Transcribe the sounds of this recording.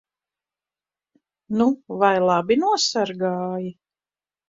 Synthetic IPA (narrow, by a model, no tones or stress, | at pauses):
nuvajlˠɑbinuɔsaɾɡaːji